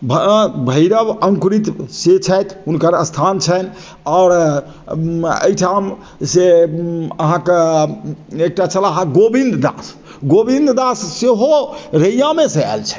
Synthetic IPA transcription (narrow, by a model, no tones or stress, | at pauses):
bʱbʱəɪɾəbəŋkɾit̪set͡ʃʰɛjt̪ʰunkəɾəst̪ʰant͡ʃʰən | ɔɾ | ə̰jʈʰam | se | əɦãke | ek̚ʈat͡ʃəlaɦãɡobind̪d̪a̰s | ɡobind̪d̪asseɦoɾəjjameseɛ̰lt͡ʃʰɛ̥